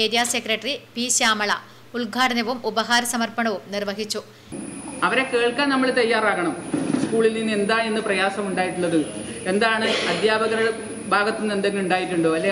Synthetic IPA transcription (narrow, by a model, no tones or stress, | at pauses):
eːdijaːsekrɐʈːɐripiɕaːmɐɭɐ | uɭɡʱaːɽɐnɐʋumubɐɦaːɾɐsɐmɐrpɐɳɐʋumnirʋɐɦit͡ɕːu | ɐʋɐɾe̞ke̞ːɭkaːnɐmːɐɭt̪ɐjːaːraːɣɐɳɐmskuːɭilninːe̞nd̪aːe̞nːɨprɐjaːsɐmuɳɖaːjiʈːuɭːɐðɨ | e̞nd̪aːɳɨɐd̪ʱjaːbʱɐɣɐɾɐɽe | bʱaːɡɐt̪ːinːend̪eŋɡiluɳɖaːjikʲːuɳɖoɐlːe